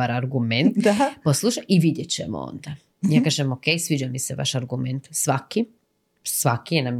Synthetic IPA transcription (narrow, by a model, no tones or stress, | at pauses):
aɾaɾɡume̞nt̪poslˠuʃaʔiʋid̪jet͡ɕḛmo̰o̰nd̪a | jaːkaːʒemoke̞jsʋid͡ʑamiseʋa̰ʃaɾɡume̞nt̪sʋaki | sʋakijenam